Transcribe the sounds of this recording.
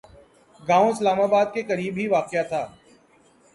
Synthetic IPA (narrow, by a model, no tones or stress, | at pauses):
ɡãːõɪslaːmaːbaːd̪̚kekɐɾiːbɦiʋaːqjat̪ʰaː